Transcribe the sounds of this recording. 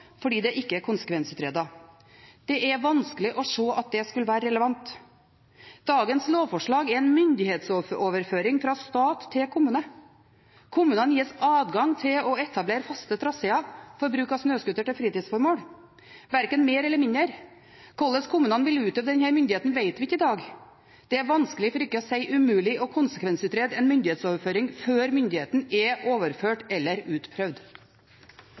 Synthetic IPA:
fɔɖiːd̪ɛʔɪkːəɛɾkʰʊnsə̥kʋɛnsʉːt̪ɾeːd̪ɑ | d̪̥ɛʔɛʋɑnskəlɪʔɔʂoːʔɑt̪̚d̪ɛskʉləʋæːɾəɾɛləʋɑnt̪ | d̪̥ɑːɡənsloːʋfɔʂɭɑːɡɛɾɛnmʏnd̪ɪheːt̪sooːʋəɾføːɾɪŋfɾɑst̪ɑːt̪ʰːɪlkʰʊmʉːnə | kʰʊmʉːnənjiːsɑːd̪ɡɑŋt̪ʰɪlɔɛt̪ʰɑbleːɾfɑst̪ət̪ʰɾɑseːɑfɔɾbɾʉːkɑsnøːskʉt̪ːəʈɪlfɾiːt̪iːd̪sfɔɾmoːɽ | ʋæɾkənmeːɾɛlːəɾmɪnəɾ | kʰɔlːəskʰʊmʉːnənʋɪlʉːt̪ʰøːʋd̪əd̪ɛnhæːɾmʏnd̪ɪheːt̪n̩ʋæɪt̪ʋɪɪkːəɪd̪ɑːɡ | d̪̥ɛæɾʋɑnskəlɪfɔɾɪkːəɔsæɪʔʉmʉːlɪʔɔkʰʊnsə̥kʰʋɛnsʉːt̪ɾeːd̪ɛnmʏnd̪ɪheːt̪soːʋəɾføːɾɪŋføːɾmʏnd̪ɪheːt̪n̩ɛoːʋəɾføːʈɛlːəɾʉːt̪pʰɾœʋd̪

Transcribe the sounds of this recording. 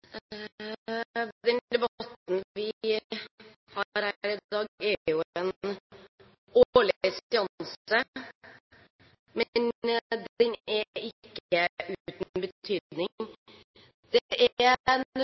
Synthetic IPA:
d̪ɛnd̪ɛbɑt̪nʋɪ | hɑɾhæɾɪd̪ɑːɡɛjʊɛn | olɪsɪɑnsə | mɛnd̪ɛnɛɪkːəʉːt̪nn̩bət̪ʰyːd̪nɪŋ | d̪̥ɛʔɛn

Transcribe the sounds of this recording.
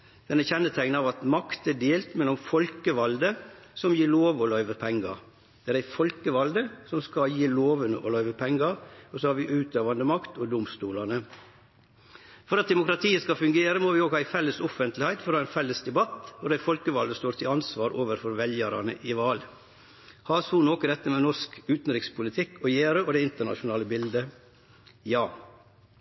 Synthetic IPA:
d̪̥ɛnæçɛnːət̪ʰæɪɡnəɑʋɑt̪mɑkt̪æɖeːlt̪mɛlːɔmfɔlkəʋɑld̪əsɔmjiːɭoːʋɔlœʏʋəpʰɛŋːɑɾ | d̪̥ɛæːɾæɪfɔlkəʋɑld̪əsɔmskɑjiːloːʋənə̰ʔɔlœʏʋəpʰɛŋɡɑɾɔsɔhɑɾʋɪʔʉːt̪øːʋɑnd̪əmɑkt̪ɔd̪ʊmst̪uːlɑnə | fɔɾɑt̪̚d̪ɛmʊkɾɑt̪ʰiːəskɑfʉŋɡeːɾəmoːʋɪoːɡɑːæɪfɛlːəsɔfənt̪ʰlɪhæɪt̪fɔɾoæɪnfɛlːəsd̪ɛbɑt̪ɔd̪æɪfɔlkəʋɑld̪əst̪oːɾt̪ʰɪlɑnsʋɑːɾoːʋəɾfɔɾʋɛljæːɾɑnə̰ʔɪʋɑːl | hɑːsuːnoːkəd̪ɛt̪ːəmɛnɔskʉːt̪n̩ɾɪkspʊlɪt̪ʰɪkːɔjeːɾəɔd̪ɛːɪnt̪əɳɑ̰ʃʊnɑːləbɪld̪ə | jɑː

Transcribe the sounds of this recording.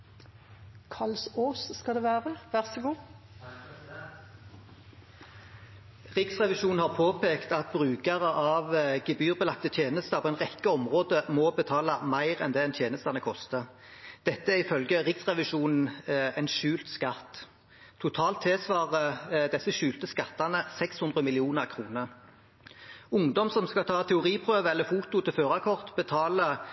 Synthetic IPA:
kʰɑlsoːsːkɑd̪ɛʋæːʁəʋæʁsɡu | ʁɪksʁɛʋɪʃuːnn̩hɑːʁpʰoːpʰeːkt̪ɑt̪̚bʁʉːkɑʁəʔɑʋɡɛbyːʁbəlɑk̚t̪ət̪ʰjeːnəst̪ɑpʰɔːɛnʁɛkːəɔmʁoːd̪əmɔbət̪ʰɑːlɑmæɪʁɛ̰nd̪ɛːɛnt̪ʰjeːnəst̪ɑnəkʰɔst̪ə | d̪̥ɛt̪ːəæʁɪfœlɡəʁɪksʁɛʋɪʃuːnn̩ɛnʃʉːlt̪skɑt̪ːʰ | ʊt̪ʰɑːlt̪ʰːeːsʋɑːʁəd̪ɛsəʃʉːlt̪əskɑt̪ːɑnəsɛkshʉnd̪ʁəmɪlɪuːnəʁkʰʁuːnəʁ | ʊŋd̪ɔmsɔmskɑt̪ʰɑːt̪ʰɛʊʁiːpʰʁøːʋəɛlːəfuːt̪ʊt̪ʰɪlføːʁɑkʰɔʁt̪bət̪ʰɑːlə

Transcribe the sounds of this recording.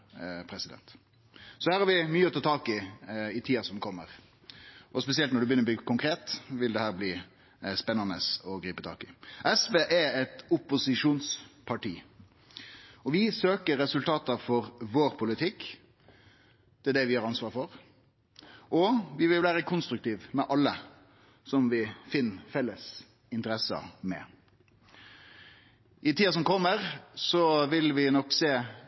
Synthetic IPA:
pʰɾɛsɪd̪ɛ̰nt̪ | sɔhæːɾhɑːɾʋɪmyːəɔt̪ɑːt̪ʰɑːkɪɪt̪ʰiːɑsɔmkʰɔmːəʁ | ʔɔspɛsɪɛlt̪nɔɖʉbəʏnəɾɔb̪iːɡkʊŋkʰɾeːt̪ʋɪld̪ɛhæːɾbliː | spɛnːɑnəsɔɡɾiːpət̪ʰɑ̰ːkɪʔɛsʋeːʔæɛt̪ʊpʊsɪʂuːnspʰɑʈiː | ɔʋɪsøːkəɾɛsʉlt̪ʰɑːt̪ɑfɔɾʋoːɾpʰʊlɪt̪ʰɪkː | d̪̥ɛæɖɛʋɪhɑːɾɑnsʋɑːɾfɔʁ | ʔɔʋɪʋɪlʋæːɾəkʰʊnst̪ɾʉkt̪iːʋmɛʔɑlːə | sɔmʋɪfɪnːfɛlːəs | ɪnt̪əɾɛsə̰mɛ̰ | ʔɪt̪iːɑsɔmkʰɔmːəɾsɔʋɪlʋɪnɔkːseː

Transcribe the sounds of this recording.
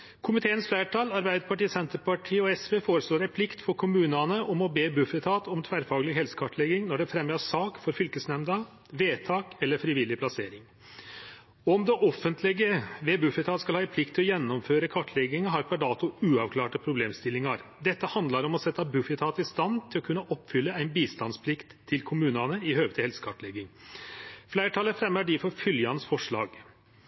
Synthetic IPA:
kʰʊmɪt̪ʰeːənsflæːʈʰɑːlɑɾbæɪd̪əɾpʰɑʈiːsɛnt̪əɾpɑʈʰiːɔɛsʋeːfoːɾəsloːɾæɪpʰlɪkt̪fɔɾkʰʊmʉːnɑnəʔɔmɔbeːbʉfət̪ʰɑːt̪ɔmt̪ʰʋæːɾfɑːɡlɪɡhɛlsə̥kʰɑʈlɛɡɪŋnɔɖɛfɾɛmjɑsɑːkfɔɾfʏlkəsnɛmd̪ɑ | ʋeːt̪ʰɑːkɛlːəɾfɾɪʋɪlɪpʰlɑseːɾɪŋ | ɔɔmd̪ɛʔɔfːənt̪ʰlɪɡəʋeːbʉfɪt̪ʰɑːt̪skɑlhɑːɪpʰlɪk̚t̪ʰːɪlɔjɛnːɔmføːɾəkʰɑʈʰːlɛɡɪŋəɦɑɾpʰæɖɑːt̪ʊʉːɑʋkʰlɑːʈəpʰɾʊbleːmst̪ɪlːɪŋɑɾd̪ɛt̪ːəhɑnd̪lɑɾɔmɔsɛt̪ːɑbʉfɪt̪ʰɑːt̪ɪst̪ɑnt̪ʰɪlɔkʰʉnːəʔɔpːfʏlːəæɪnbiːst̪ɑnspʰlɪkt̪ʰːɪlkʰʊmʉːnɑnəɪhøːɡət̪ʰɪhɛlsə̥kʰɑʈlɛɡɪŋ | flæɪʈʰɑːləfɾɛmːəɖɪfɔɾfʏljɑnsfɔʂɭɑːɡ

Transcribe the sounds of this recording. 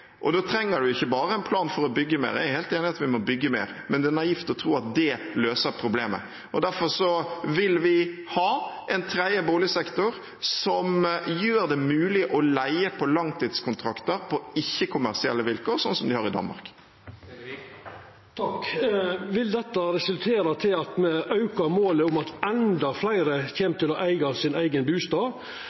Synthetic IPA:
ʔɔd̪oːt̪ʰɾɛŋːəɖʉɪçːəbɑːɾəɛɪnpʰlɑːnfɔɾɔbʏɡːəmḛːɾæ̰jʊheːlt̪eːnɪɑt̪ʋɪmɔbʏɡːəmḛːɾ | mɛnd̪ɛnɑift̪ɔt̪ʰɾuːɑt̪̚d̪ɛløːsəɾpʰɾʊbleːmə̰ | ʔɔd̪æɾfɔɾsɔʋɪlʋɪhɑːʔɛnt̪ʰɾæɪəboːlɪsɛkt̪ʊɾ | sɔmjøːɾd̪ɛmʉːlɪʔɔlæɪəpʰɔlɑŋt̪ʰiːd̪skʰʊnt̪ʰɾɑkt̪əɾpʰɔɪçːəkʰʊmæʁsɪɛ̰lːəʋɪlkoːɾsɔnsɔmd̪ɪhɑʁɪd̪ɑ̰nmɑ̰ɾk | t̪ʰɑk | ʋɪld̪ɛt̪ːɑɾɛsʉlt̪ʰeːɾɑt̪ʰɪlɑt̪mɛɑʉkɑɾmoːləʊmɑt̪ɛnd̪ɑflæɪɾəçeːmt̪ɪlɔʔæɪɡɑsɪnæɪɡənbʉːst̪ɑː

